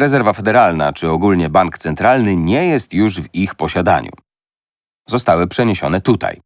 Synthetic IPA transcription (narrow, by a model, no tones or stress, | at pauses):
ɾɛzɛɾvafɛd̪ɛɾalna̰t͡ʂɘɔɡulɲɛbaŋkt̪sɛnt̪ɾalnɘɲɛjɛst̪juʐvixpɔɕad̪a̰ɲṵ | zɔst̪awɘpʂɛɲeɕɔnɛt̪ut̪a̰j